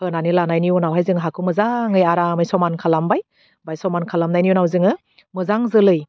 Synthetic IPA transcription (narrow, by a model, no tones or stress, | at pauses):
hɯnanilanajniɔnawɦajzɯŋɦakʰɯmɯzaŋɯjaɾamɯjsɔmankʰalambaj | bajsɔmankʰalamnajnijunawzɯŋɯ | mɯzaŋzɯlɯj